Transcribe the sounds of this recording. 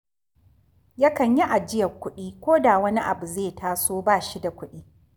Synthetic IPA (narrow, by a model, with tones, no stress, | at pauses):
jɐ˦kɐ˨ɲji˦ʔa˨d͡ʒɪ˦jɐ˨kʷʊ˦ɗiː˦kʷoː˦da˨wɐ˦ni˦ʔa˨bu˨zeː˦˨taː˦soː˦baː˦˨ʃi˦da˨kʷʊ˦ɗiː˦